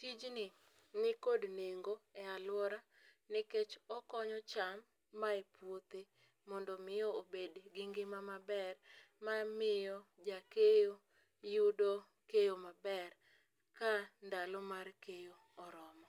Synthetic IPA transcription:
tid͡ʒnɪ | nɪkodneŋɡoɛalwɔɾa | nɪket͡ʃɔkɔɲɔt͡ʃamː | aepwot̪e | mɔndɔmɪjɔobedɡɪŋɡɪmamabɛr | mamɪjɔd͡ʒakejo | judo | kejomabɛr | kandalɔmarkejoːɾɔmɔ

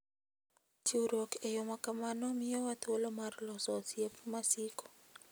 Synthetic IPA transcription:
t͡ʃuɾokejomakamanɔmɪɔwat̪olomarlɔsɔsjepmasiko̥

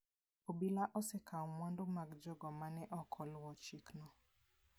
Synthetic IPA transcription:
obilaʔɔsɛkʰaumwandomaɡd͡ʒɔɡɔmanɛʔɔkʰɔlwɔt͡ʃiknɔ

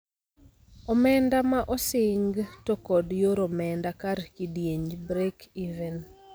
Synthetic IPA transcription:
ɔmɛndamaʔɔsɪŋɡtokɔdjoɾomɛndakarkidjeɲd͡ʒbɾekivɛn

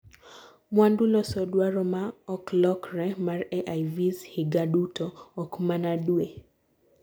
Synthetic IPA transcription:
mwandulɔsɔdwaɾɔmaɔklɔkrɛmarɛʔajvizhɪɡadutɔːkmanadwe

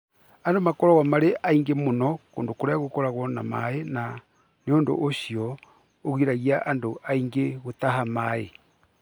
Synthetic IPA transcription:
andomakɔɾɔɣwamaɾeʔaiŋɡemonɔko̰ːndokoɾeaɣokɔɾaɣwɔna̰maena | neoːndo̰ʔoɕiɔ | oɣiɾaɣiaʔandoaiŋɡeɣotaɦamae

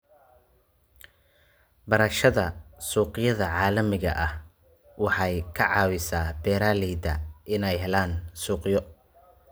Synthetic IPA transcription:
bɐɾɐʃɐðɐsuːqɪjɐðɐʕɑːlɐmɪɣɐ̰ʔɐh | wɑħɑjkʰɐʕɑːwɪsaːbɛːɾaːlɛːd̪ɐ̰ʔɪnɛjɦɛlaːnsuːqjɔ

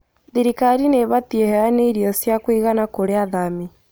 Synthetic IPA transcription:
ðiɾikaɾineβatiehɛaneiɾiɔsjakwiɣanakoɾeaðami

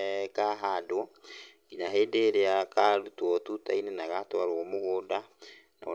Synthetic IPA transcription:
kaɦadwɔ | inaɦeːdeɾeakaɾutwɔtutainenaɣatwaɾwɔmoɣoda | na̰

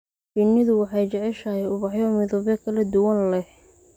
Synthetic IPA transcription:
t͡ʃɪnːɪðʊwɑħɑjt͡ʃɛʕɛʃɐhɛjʊβɑħjɔmɪðɔβɛkʰɐlɐd̪ʊwɐnlɛh

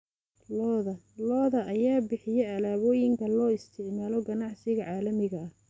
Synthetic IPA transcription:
lɔðɐ | lɔːðɐʔɐjaːbɪħɪjɛɐlaːβɔːjɪŋkʰɐlɔːɪst̪ʰɪʕmaːlɔɡɐnɑʕsɪɣɐʕɑːlɐmɪɣɐɐh

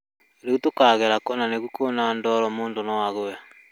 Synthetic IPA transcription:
ɾeɣutokaːɣɛɾakɔnaneɣukonaːndɔɾɔmoːndonɔwaɣoja

